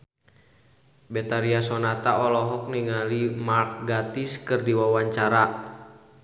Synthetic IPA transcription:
bɛt̪aɾiasɔnat̪aɔlɔɦɔk̚niŋalimark̚ɡat̪iskɨrdiwawaɲt͡ʃaɾa

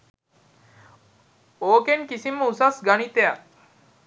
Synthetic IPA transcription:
oːkeŋkisiməusasɡanit̪eak

